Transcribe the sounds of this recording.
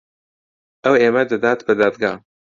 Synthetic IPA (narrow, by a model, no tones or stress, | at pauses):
ʔɐweːmɐd̪ɐd̪aːt̪bɐd̪aːd̪ɡaː